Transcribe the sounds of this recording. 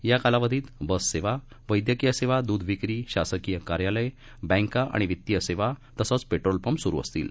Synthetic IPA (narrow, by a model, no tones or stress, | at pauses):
jakalaʋəd̪ʱiːt̪bəsːeʋa | ʋəjd̪jəkijəseʋad̪uːd̪ʱʋikɾiːɕasəkijəkaɾjaləj | bɛ̃ŋkaʔa̰ɽ̃iʋit̪ːijəseʋat̪əsɔt͡speʈɾolpəmsuɾṵə̰st̪ḭːl